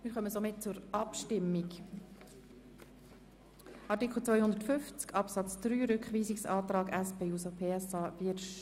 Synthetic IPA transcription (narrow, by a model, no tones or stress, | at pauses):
mɪːɾχœməsomɪt̚t͡sʊɾʔɑpʃtɪmːik | ʔɑɾtikl̩t͡svœjhʊnd̪ətfʏft͡skɑpsɑt͡sd̥ɾyːɾʏkχʋiːsɪksɑːtɾɑːɡæspeusopʰeːɛsɑːvɪʃ